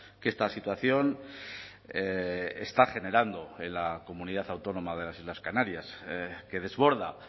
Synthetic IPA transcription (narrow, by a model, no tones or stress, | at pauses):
ke̞st̪asit̪waθjo̞n | est̪aχe̞ne̞ɾand̪o̞elako̞muniðaθawt̪o̞nõ̞maðe̞lasizlaskanaɾjaske̞ð̞e̞zβo̞ɾð̞a